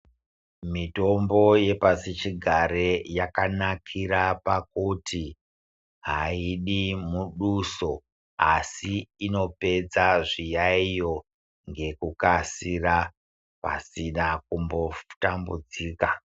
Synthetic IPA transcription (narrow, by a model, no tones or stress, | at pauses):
mito̞mbo̞je̞pasit͡ʃiɡʱaɾejakanakʰiɾapakutʰi | ɦaiɗimuɗuso̞ | asiino̞pe̞d͡zaʐijaijo̞ | ŋɡe̞kukasira | pa̰sinakumbo̞tambud͡ziːka